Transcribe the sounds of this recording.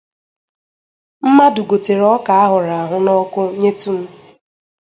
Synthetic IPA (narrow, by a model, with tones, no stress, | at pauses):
m̩˦ma˦du˨ɡo˨te˨ɾɔ˦ka˨a˦ɦʊ˨ɾa˨a˨ɦʊ˦nɔ˦kʊ˦ɲe˦tu˦m̩˦